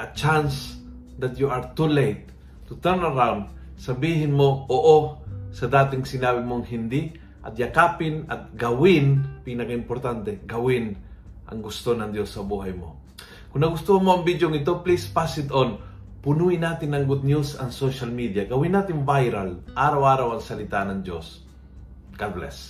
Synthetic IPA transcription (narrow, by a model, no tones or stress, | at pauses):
ʔɐt͡ʃans | d̪ɐt̪juʔaɾt̪ulejt̪̚ː | ut̪ɛɾnɐɾawnd̪̚ | sɐbiːɦɪnmoʔoʔosɐd̪aːt̪ɪŋsɪnaːbɪmoɐŋhɪnd̪ɪ | ʔɐ̰t̪̚jakaːpɪnɐ̰t̪̚ɡɐwɪnpinɐkaɪmpoɾt̪ant̪ɛɡɐwɪn | ʔɐ̰ŋɡʊst̪onɐŋd̪josːɐbuːɦɐjmo̰ | kʊŋnɐɡʊst̪ohɐmoɐŋbid̪joŋɪt̪̬o̞plispasɪd̪on | pʊnuɪnaːt̪ɪnːɐŋɡʊd̪̚njusɐŋsoʃɐlmid̪jaɡɐwɪnːaːt̪ɪŋvajɾalʔaːɾɐwʔaːɾawɐŋsɐlɪt̪anɐŋd̪jos | ɡalblɛ̰s